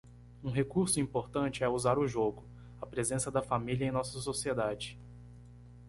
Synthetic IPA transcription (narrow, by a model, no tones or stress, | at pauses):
ũɦekuɾsʊĩpoɾt̪ɐ̃t͡ʃɪɛuzaɾʊʒoɡʊ | ɐpɾezẽsɐd̪ɐfamiliɐẽj̃nɔsɐsosied̪ad͡ʒɪ